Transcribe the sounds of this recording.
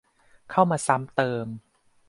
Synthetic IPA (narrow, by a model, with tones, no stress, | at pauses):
kʰa˥˩wmaː˧sa˦˥mt̪ɤː˧m